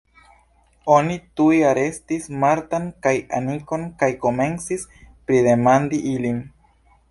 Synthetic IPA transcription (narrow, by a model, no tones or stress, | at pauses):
o̞nitujaɾe̞stismaɾtankaja̰niko̞nkajko̞me̞nt͡sispɾide̞mandiʔilin